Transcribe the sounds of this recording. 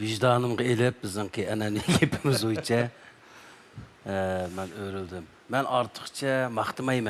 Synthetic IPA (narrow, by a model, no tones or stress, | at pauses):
viʒd̪ɑːnɨmʁɑelɪp̚bɪznɨɪŋkʰʲiɛnɛnɪɡʲepʰɪmɪzujt͡ʃʰɛ | mɛnøɾyld̪ɪmːɛnɑɾt̪ʰə̥qt͡ʃʰɛmɑχt̪ɨmɑjmɛn